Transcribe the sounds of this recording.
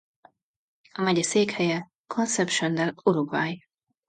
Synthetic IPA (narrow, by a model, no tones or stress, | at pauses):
ɒmɛɟɛseːkhɛjɛ | kʰonsɛpʃɛnd̪ɛloɾoɡvaːj